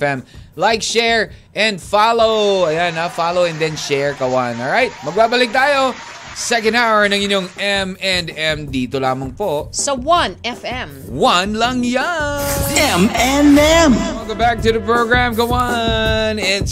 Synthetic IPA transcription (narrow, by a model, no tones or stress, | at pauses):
fɛ̃mlajkʃɛɹʔɛ̃nd̪falowɐjanafalowɛ̃nd̪ɛ̃nʃɛɹkɐwanɔlɹajt̪̚mɐɡ̚baːbɐlɪk̚t̪aːjo | sɛkɐ̃nd̪awəɹnɐŋɪnjoŋɛmɛnd̪ɛ̃md̪it̪olaːmɐŋpoʔsɐwɐ̃nɛfɛ̃m | wɐnlɐŋja | ɛmɛnɛmwɛlɡobak̚t̪ʊðɐpɹoɡɹamkɐwanɪt̪